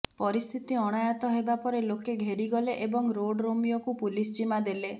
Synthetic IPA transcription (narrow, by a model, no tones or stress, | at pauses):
pɔɾist̪ʰit̪iɔɽ̃ajat̪ɔɦebapɔɾelokeɡʱeɾiɡɔleʔebɔŋɾoɖɾomijɔkupulist͡ʃimad̪ele